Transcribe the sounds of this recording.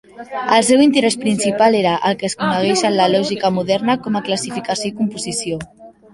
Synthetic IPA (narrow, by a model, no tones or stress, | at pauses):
əlˠsewint̪əɾespɾinsipaleɾəʔəlˠkəskunəɣ̞ɛʃənləlɔʒikəmuðɛɾnəkɔmaklasifikasjoikumpuzisio